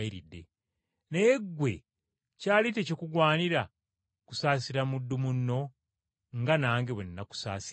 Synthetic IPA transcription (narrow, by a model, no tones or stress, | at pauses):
iɾidːe̞̰ | nejeɡwe̞ | caːlit̬e̞cokuɡwaːniɾa | ku̥saːsiɾamudːumunːo̞ | ŋɡanaːŋɡeβwenːaku̥saːsi